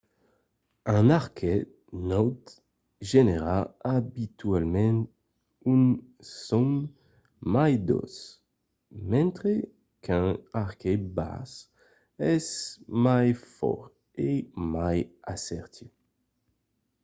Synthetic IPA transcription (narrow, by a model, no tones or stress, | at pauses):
ãnaʁkʰe | nɔwd̪ | ʒeneʁaabit̪ɥɛlmɛ̃n | yn | sɔ̃ŋ | majd̪o̰s | mɛ̃nt̪χe | kɛ̃aʁkeba̰s | ɛsmajfɔ̰ʁ | emajasɛʁt̪ʰu